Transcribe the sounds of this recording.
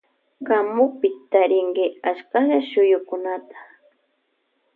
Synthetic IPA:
kamʊpɪt̪aɾɪŋɡɪaʃkaʎaʃʊjʊkʊnat̪ḁ

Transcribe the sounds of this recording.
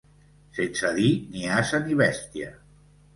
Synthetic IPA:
sensəðiniasəniβɛst̪ia

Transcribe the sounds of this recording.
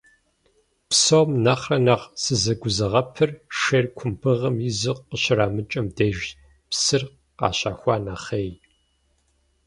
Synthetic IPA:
psowmnɐχrɐnaːʁsɨzɐɡʷʊzɐʁɐpʰɨrʂeːrkʷʰʊmpʰɨʁɐmjɪzɨqːəɕɪraːmɨt͡ʃʼɐmdejʒ | psɨr | qɑ̰ːɕʼaːxʷɑːnaχeːj

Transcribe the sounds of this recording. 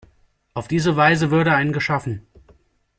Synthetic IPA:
ʔaʊfd̥iːzəvaɪzəvʏɐɾəaɪnənɡəʃafn̩

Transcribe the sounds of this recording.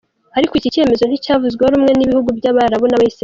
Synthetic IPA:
aɾikoicice̞me̞zo̞n̥icaːvuzɡehoɾuːmŋe̞niβihuɡubjaːβaɾaβonaβaisi

